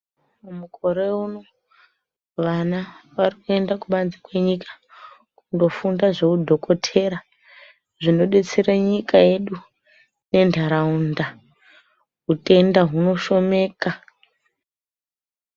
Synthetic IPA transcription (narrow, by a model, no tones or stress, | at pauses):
umuko̞ɾeuno̞ | ʋanaʋarikue̞ndakuɓanzikwe̞ɲikḁ | kundo̞fundaʐokudʱo̞ko̞tʰe̞ɾa | ʐino̞ɗet͡seɾaɲikaje̞ɗu | ne̞ndʱaɾaunda | ɦute̞ndaɦuno̞ʃo̞me̞ːka